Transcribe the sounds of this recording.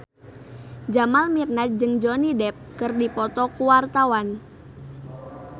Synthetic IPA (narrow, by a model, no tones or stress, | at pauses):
d͡ʒamalmirnat̪̚d͡ʒɨŋd͡ʒɔnidɛp̚kɨrdipɔt̪ɔkuwart̪awan